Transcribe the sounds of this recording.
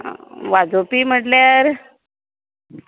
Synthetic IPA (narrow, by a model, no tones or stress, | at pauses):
ʋad͡zopiːm̤əʈljaɾ